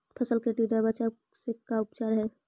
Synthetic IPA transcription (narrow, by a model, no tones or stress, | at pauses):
pʰəsəlkeʈid̪əbat͡ʃa | sekaʊpt͡ʃaːɾɦɛ